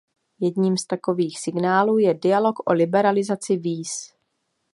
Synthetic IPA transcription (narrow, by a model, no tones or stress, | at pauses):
jɛdɲiːmst̪ako̞viːxsɪɡnaːluːjɛdɪalo̞kʔolɪbɛɾalɪzat͡sɪviːs